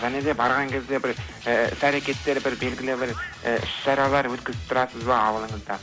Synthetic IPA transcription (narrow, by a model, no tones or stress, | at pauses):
ʒæne̞d̪e̞bɑɾʁɑŋkʲʰe̞zd̪e̞bɪɾ | ɪsæɾe̞kʲe̞t̪ːe̞ɾbɪɾbe̞lɡʲɪlɪbɪɾʔɪʃʃɑɾɑlˠɑɾwɵt̪kʲɪzɪp̚t̪ʰʊɾɑsəzbɑɑwəlˠəɴəzd̪ɑ